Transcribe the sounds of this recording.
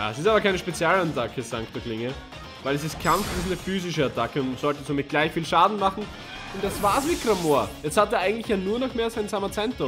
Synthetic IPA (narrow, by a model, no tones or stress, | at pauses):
ja̰ːɛsɪstaːbɐkʰæɪnəʃpet͡sjaːlatʰakʰəsaŋktoklɪŋə | væɪlɛs̬ɪst̚kʰamfɪsnəfyːzɪʃəatʰakəʊntsɔltəsoːmɪt̚ɡ̥laɪçfiːlʃaːdn̩maχn̩ | ʊnt̚d̥asvaːsmɪtkramoːɐjɛt͡sthateːɐʔaɪɡŋ̩tlɪçjaːnuːɐnɔχmeːɐasaɪnsaːmɐt͡sɛnto